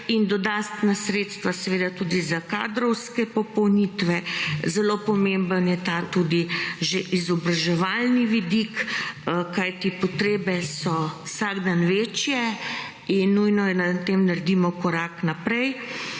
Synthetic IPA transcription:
ind̪ɔd̪ast̪nasɾet̪st̪ʋasɛʋeːd̪at̪uːd̪izaka̰ːd̪ɾɔwskɛpɔpɔwnit̪ʋɛzɛlopɔmembənjɛt̪aːt̪ud̪iʒeʔizɔbɾaʒɛʋalniʋid̪ik | kajt̪ipɔt̪ɾeːbɛsɔwsaɡd̪anʋeːt͡ʃjɛ | inːujnɔjɛnat̪emnaɾd̪imɔkɔɾaːknapɾɛj

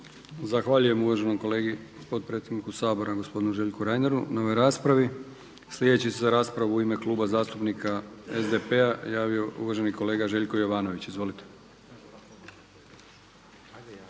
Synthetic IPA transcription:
zaxʋaːʎuje̞muʋaʒe̞nomko̞leːɡi | po̞d̪̚pɾet̪seɡ̪nikusaːbo̞ɾaɡo̞spo̞d̪inuʒe̞ːʎkuɾajneɾunao̞ʋo̞jɾaːspɾaʋi | slʲjed̪e̞t͡ɕisezaɾaːspɾaʋuuime̞klˠuːbazaːst̪upnikʰaezd̪e̞pe̞ajaːʋio̞ṵʋaʒe̞niko̞le̞ːɡaʒe̞ʎʲkojo̞ʋaːno̞ʋit͡ɕizʋo̞lit̪e̥

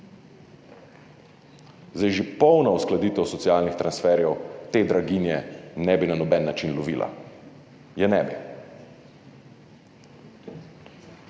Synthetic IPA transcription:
zajʒipɔwnɔusklad̪iːt̪ɛwsɔt̪siaːlnixt̪ɾansfɛːɾjɛwt̪eːd̪ɾaɡinjɛnɛbinanɔbɛnːat͡ʃinlɔʋiːlʔa̰ | jɛnɛbḭ

